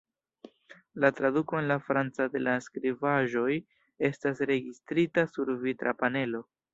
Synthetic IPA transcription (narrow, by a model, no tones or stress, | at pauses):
latɾaduko̞e̞nlafɾant͡sade̞laskɾivaʒo̞j | e̞stasɾe̞ɡistɾitasuɾvitɾa̰pane̞lo̞